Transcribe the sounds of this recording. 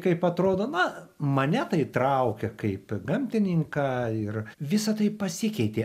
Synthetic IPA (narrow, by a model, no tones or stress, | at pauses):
kɐɪpɐt̪ɾoːd̪oːnʊmɐnʲɛt̪ɐɪt̪ɾɐʊkʲɛkɐɪpɡɐmʲt̪ʲɪnʲɪŋkɑɪrʋʲɪsɐt̪ɐɪpɐsʲɪkʲɛɪt̪ʲeː